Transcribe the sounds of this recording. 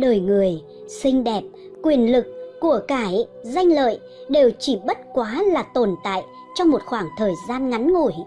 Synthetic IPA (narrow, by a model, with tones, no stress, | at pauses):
ɗəː˨˩jŋɨ˨˩əj | sï˧ŋ̟ɗɛ˨˩p̚ | kwi˨˩ənlɨ˨˩k̚ːu˧˩əkaː˧˩jza˧jŋ̟lə̰ː˧˨j | ɗe˨˩wt͡ɕi˧˩ɓə˦˥t̚kwaː˨˦laː˨˩t̪o˨˩nt̪a̰ː˧˨j | t͡ɕɔ˧ŋ͡mmo˨˩t̚xwaː˧˩ŋt̪ʰəː˨˩jzaː˧nŋa˨˦nŋṵ˧˩˨j